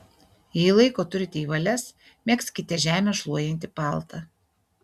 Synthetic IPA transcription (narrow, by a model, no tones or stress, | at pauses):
jɛɪlˠɐɪkoːt̪ʊɾʲɪt̪ʲɛiːʋɐlʲɛs | mʲɛkskʲɪt̪ʲɛʒʲæːmʲeːʃlˠuɔjɛnʲt̪ʲɪpɑˑlˠt̪ɐ